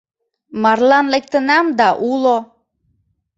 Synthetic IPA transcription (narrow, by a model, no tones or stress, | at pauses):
mɑrlɑnlek̚t̪ənɑmd̪ɑʔulo